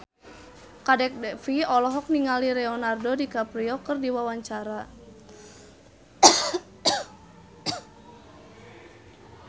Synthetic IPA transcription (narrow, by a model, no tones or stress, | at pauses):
kadɛk̚dɛfiɔlɔɦɔk̚niŋaliɾɛɔnardodikapɾiɔkərdiwawaɲt͡ʃaɾa